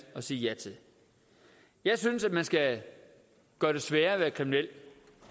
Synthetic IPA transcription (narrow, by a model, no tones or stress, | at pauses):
ɒ̽siːjæt͡sʰe | jɑ̈ɪsynsæd̥mænsɡ̥æ | ɡ̥ɶːɐɾ̥e̝sʋæːɐʋæːɐkʰiminel̰